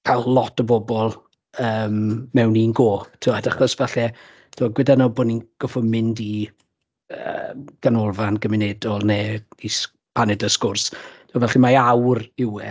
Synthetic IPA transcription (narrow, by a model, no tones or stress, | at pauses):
kʰalˠlˠɔtʰəbɔbɔlˠ | əːmmɛwninɡoːtʰɪadaχɔsvɛɬɛ | tʰɪaɡwɪdanɔboːninɡ̥ɔfʊmɪndi | ə̰ːɡ̥anɔlˠvanɡəmɪnɛdɔlˠneːis | pʰanɛdəskʊrstʰuavɛɬɛmaawrɪwɛ